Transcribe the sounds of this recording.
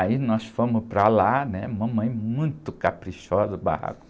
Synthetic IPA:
ainɔsfõmʊpɾalanɛũmɐ̃mɐ̃j̃mũj̃t̪ʊkapɾiʃɔzɐba̰ha̰kʊ̥

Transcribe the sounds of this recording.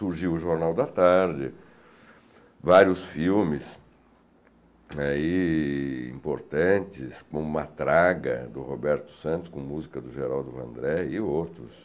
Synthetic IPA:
suɾʒiwʊʒoɾnawd̪ɐt̪aɾd͡ʒɪ | vaɾiʊsfiwmɪs | ai | ḭ̃poɾt̪ɐ̃nt͡ʃɪskõũmɐt̪ɾaɡɐ̰d̪ʊhobɛɾt̪ʊ̥sɐ̃nt̪ʊ̥skõmuzikɐd̪ʊʒeɾawd̪ʊvɐ̰̃nd̪ɾɛɪowt̪ɾʊ̰s

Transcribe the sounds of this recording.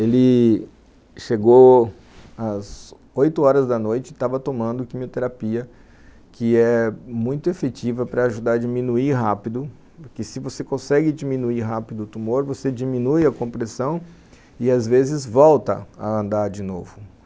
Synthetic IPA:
elɪ | ʃeɡo | ɐz | ojt̪ʊɔɾɐzd̪ɐnojt͡ʃɪt̪avɐt̪omɐ̃nd̪ʊkimiot̪eɾapiɐ | kʰɪɛmũj̃t̪ʊefet͡ʃivɐpɾɐːʒud̪aɾɐd͡ʒimĩnuiɾɦapid̪ʊ | pʊɾkɪsɪvosekõsɛɡɪd͡ʒimĩnuiɦapid̪ʊːt̪umoɾvosed͡ʒimĩnujɐkõpɾesɐ̃w̃ | ɪazvezɪzvɔwt̪ɐ̰ɐ̰ɐ̃nd̪aɾd͡ʒɪnovʊ

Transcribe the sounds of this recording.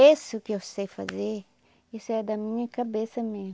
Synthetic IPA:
esʊkɪewsejfa̰zeɾ | isʊɛd̪ɐmĩɲɐkabesɐmezm

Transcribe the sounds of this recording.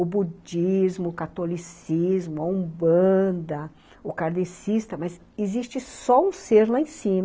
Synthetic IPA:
ʊbud͡ʒizmʊkat̪olisizmʊaũbɐ̃d̪ɐ | ʊkaɾd̪esist̪ɐmɐz | ezist͡ʃɪsɔũseɾlaẽsĩm

